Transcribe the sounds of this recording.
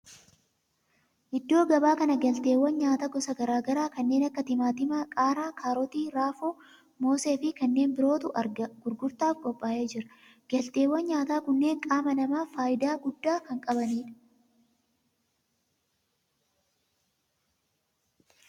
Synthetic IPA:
ʔɪd̪ːo̞ːɡɐbaːkɐnɐɡɐlt̪e̞ːwːɐnɲaːt̪ɐɡɔsɐɡɐɾaːɡɐɾaːkɐnːe̞ːnɐkːɐt̪ɪmaːt̪ɪmɐkʼaːɾaːkʰaːɾɔt̪iːɾaːfo | mo̞ːse̞ːfɪkɐnːe̞ːnbɪɾo̞ːt̪ʊʔɐɾɡɐɡ̥ʊɾɡʊɾt̪aːfkʼɔpʼːaːʔeːd͡ʒɪɾɐ | ɡ̥ɐlt̪e̞ːwːɐnɲaːt̪aːkʊnːe̞ːŋkʼaːmɐnɐmaːfaːjɪd̪aːɡʊd̪ːaːkɐŋkʼɐbɐniːᶑɐ̥

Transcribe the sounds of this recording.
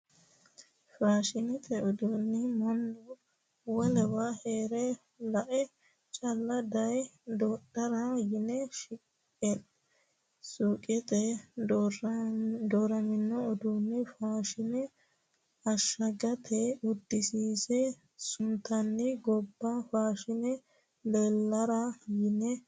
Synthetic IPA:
faːʃɪnɪt̪ʰʼɛɔd̪unːɪmɐnːɔ | wɔlɛwaheːɾɛ | lɐʔɛ | t͡ʃʼɐlːɐd̪ɐjd̪oːɗɐɾɐjɪnɛʃɪkʼː | ɛ | suːkʼɪt̪ʼɛ | d̪oːɾɐmɪnːɔɔd̪unːɛfaːʃɪnɛ | ɐʃːɐɡɐt̪ʰɛʊd̪ːɪsiːsɛ | sʊnt̪ɐnːɪɡɔbːafaːʃɪnɛ | leːlːɐɾɐjɪnɛ

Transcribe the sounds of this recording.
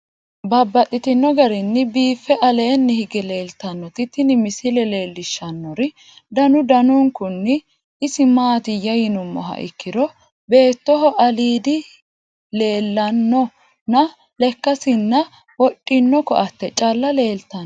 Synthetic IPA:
bɐbːɐt̪ʼːɪt̪ɪnːɔɡɐɾɪnːɪbiːfːɛʔɐle̞ːnːɪhɪɡɛle̞ːlt̪ɐnːɔt̪ɪt̪ːɪnɪmɪsɪlɛle̞ːlːɪʃːɐnːɔɾɪ | d̪ɐnʊd̪ɐnʊŋkʊnːɪ | ɪsɪmaːt̪ɪjɐjɪnʊmːɔ̰ɦɐ̰ʔɪ̰kːɪd̪ɔ | be̞ːt̪ːɔɦɔʔɐliːd̪ɪ | le̞ːlːɐnːɔ | nɐ | lɛkːɐsɪnːɐ | wɔtʼːɪnːɔkɔ̰ʔɐt̪ːɛt͡ʃʼɐlːɐle̞ːlt̪ɐn

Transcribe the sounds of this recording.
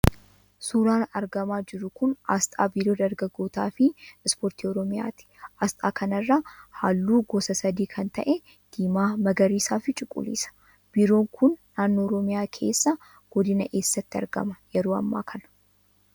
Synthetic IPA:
suːɾaːnɐɾɡɐmaːd͡ʒɪɾʊkʊnɐ̰st̪ʼa̰ːbiːɾo̞ːd̪ɐɾɡɐɡːo̞ːt̪a̰ːfɪɪspoːɾt̪iːɔɾɔmɪja̰ːt̪ɪ̥ʔɐst̪ʼa̰ːkʰɐnɐrːahaːlːuːɡɔsɐsɐd̪iːkʰɐnt̪ɐʔɛ | d̪̥iːmaːmɐɡɐɾiːsaːfɪt͡ʃʼɪkʼːʊ̰lḭːsɐ̥ | b̥iːɾo̞ːŋkʰʊnːaːnːo̞ːɾɔmɪjaːkʰe̞̰ːsːɐ | ɡ̥ɔd̪ɪnɐʔe̞ːsːɐt̪ːɪɐ̰ɾɡɐ̰mɐjɛɾoːɐ̰mːa̰ːkʰɐnɐ̥

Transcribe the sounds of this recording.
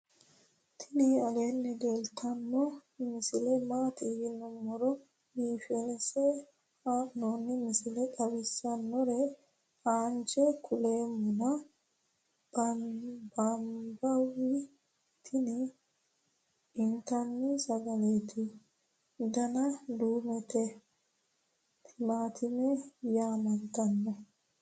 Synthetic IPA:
t̪ʰɪnɪɐleːnːɛd̪elt̪ʰɐnːɔmɪsɪlɛmaːt̪ibɪnɔmɔɾɔ | biːfɛnɛsɛ | anonːɪmɪsɪlɛkʼɐwɪsːɐnːɔɾɛ | aːnd͡ʒɛkʰʊleːmːʊnɐ | b | bɐmbɐwɪ | t̪ʰɪnɪ | ɪnt̪ɐnːɪsɐɡɐleːt̪ʰɪ | d̪ɐnɐd̪uːmɛt̪ɛ | t̪ɪmaːt̪ʰɪmɛjaːmɐnt̪ɐnːɔ

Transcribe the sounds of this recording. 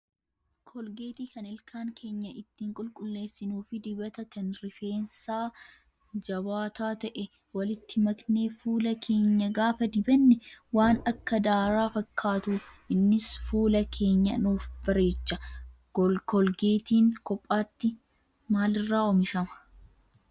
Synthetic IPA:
kʰɔlɡeːt̪iːkɐnɪlkʰaːŋkʰe̞ːɲːɐɪt̪ːiːŋkʼʊlkʼʊlːe̞ːsːɪnuːfɪd̪ɪbɐt̪ɐkɐnɾɪfe̞ːnsaː | d͡ʒɐbaːt̪aːt̪ɐʔɛ | wɐlɪt̪ːɪmɐkne̞ːfuːlɐkʰe̞ːɲːɐɡaːfɐd̪ɪbɐnːɛwaːnɐkːɐd̪aːɾaːfɐkʰːaːt̪uːʔɪnːɪsfuːlɐkʰe̞ːɲːɐnuːfb̥ɐɾe̞ːt͡ʃːɐ | kɔlɡeːt̪iːŋkɔpʼːaːt̪ːɪ | maːlɪrːaːɔmɪʃɐmɐ̥

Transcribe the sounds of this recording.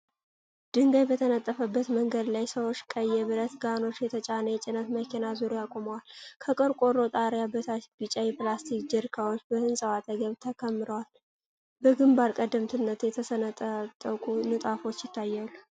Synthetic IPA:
d̪̥ɨŋɡajbət̪ʰənət̪ʼːəfəbːət̪məŋɡəd̪lajsəwot͡ʃːkʼəjːɛβɨɾət̪ɡano̞t͡ʃːjɛt̪ʰət͡ʃʼanəjɛt͡ʃʼɪnət̪məkʰinazuɾjakʼoməwalkʰəkʼɨɾkʼo̞ɾo̞t̪ʼaɾjabət̪ʰab̥ɨt͡ʃʼːajɛplast̪ʰikd͡ʒɪɾkʰawo̞t͡ʃːbəhɨnsʼəwat̪ʰəɡəβt̪ʰəkʰəmːɨɾəwal | bəɡɨmbaɾkʼəd̪ɨmt̪ʰɨnːət̪jɛt̪ʰəsənət̪ʼət̪ʼːəkʼunɨt̪ʼafo̞t͡ʃːjɪt̪ʰːajːalːu

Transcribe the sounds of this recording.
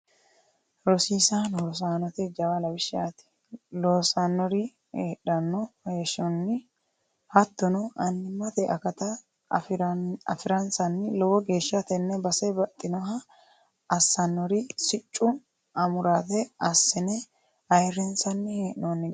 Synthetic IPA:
ɾɔsiːsanhɔɾs̬aːnɔt̪ɛd͡ʒɐwɐlɐwɪʃɪat̪ɪ̥ | loːsanːɔɾɪ | eːᶑɐnːɔheːʃɔnːɪ | hɐt̪ːɔnɔʔɐnːɪmːɐt̪ɛʔɐkɐt̪ɐ | ɐ̰fɪɾɐnsɐnːɪlɔwɔɡe̞ːʃːɐt̪ɛnːɛbɐsɛbɐt̪ʼːɪnɔɦɐ | ɐsːɐnːɔɾɪsɪt͡ʃʼːʊ | ɐmʊɾaːt̪ɛɐsːɛnɛ | ɐjrːɛnsɐnːɪheːʔnonːɪ

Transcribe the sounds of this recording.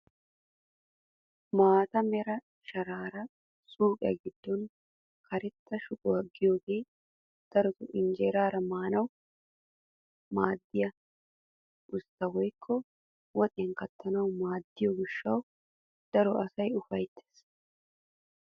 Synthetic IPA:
maːt̪ɐmɛɾɐ | ʃɐɾaːɾɐ | suːkʼɪ̰jɐ̰ɡɪd̪̥ːɔn | kɐɾɛt̪ːɐʃʊkʼʊwɐɡːɪjoːɡe̞ː | d̪̥ɐɾɔt̪ʊʔɪnd͡ʒeːɾaːɾɐmaːnɐw | maːd̪ːɪjɐ | ʔʊst̪ːɐwɔjkʰːɔ | wɔt̪ʼɛnkɐt̪ːɐnɐwmaːd̪ːɪjɔɡɪʃːɐw | d̪̥ɐɾɔʔɐsɐjʊfɐjt̪ʰːe̥ːs

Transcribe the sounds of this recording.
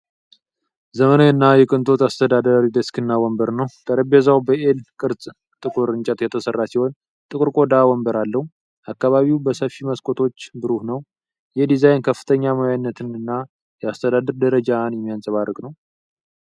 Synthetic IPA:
zəmənoɨnːajɛkʼɨnt̪ʼʰo̞t̪ast̪ʰəd̪ad̪əɾid̪əskɨnːawɔmbəɾnəwt̪ʰəɾəbezawbəʔelkʼɨɾsʼ | t̪ʼɨkʼuɾɨnt͡ʃʼɛt̪jɛt̪ʰəsərːasiho̞n | t̪ʼɨkʼɨɾkʼo̞d̪awɔmbəɾalːəhu | ʔakːaβaβiwbəsəfiməskʼʰo̞t̪ʰo̞t͡ʃːbɨɾuhnəw | jɛd̪izajnkʰəfːɨ̥t̪ʰəɲːamojajnːət̪ʰɨnɨnːa | jɛast̪ʰəd̪ad̪ɨɾd̪əɾəd͡ʒanjɛmːijansʼəβarːɨkʼnəw

